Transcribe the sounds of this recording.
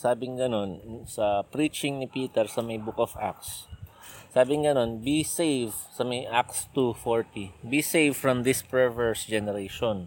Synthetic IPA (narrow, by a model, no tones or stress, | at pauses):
saːbɪŋɡɐno̞nsɐpɾit͡ʃɪŋnɪpiːt̪ɛɹsɐmɐjbʊkɔfʔa̰k̚sː | aːbɪŋɡɐno̞nbisejvsɐmɐjʔak̚st̪ufoɹt̪ibisejvfɹɐmd̪ɪspɛɹvɛɹsd͡ʒɛnɛɾejʃon